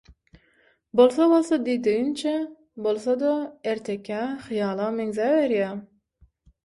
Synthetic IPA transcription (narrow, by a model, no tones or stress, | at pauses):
bolˠsɑbolˠsɑd̪id̪ijint͡ʃʰe | bolˠsɑd̪ɑeɾt̪ʰekʲʰæχɨjɑːlˠɑmeŋzæveɾjæ